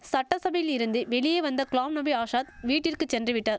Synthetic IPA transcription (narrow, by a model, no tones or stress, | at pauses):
sɐʈːɐsɐbɐjɪlɪɾɯnd̪ɯʋɛɭɪjeːʋɐnd̪ɐkɭaːmnɐbiaːʂaːt̪̚ʋiːʈːɪrkɯt͡ʃːɛndrɯʋɪʈːaːɾ